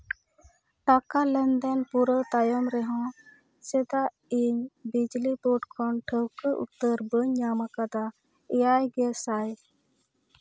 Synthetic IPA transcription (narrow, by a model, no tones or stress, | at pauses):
ʈakalɛnd̪ɛnpuɾət̪ajɔmɾɛɦɔ̃ | sɛd̪a | iɲbid͡ʒlipuʈkʰɔnʈʰəwkəʔṵt̪ːəɾbəɲːamakad̪a | ɛjajɡɛsaj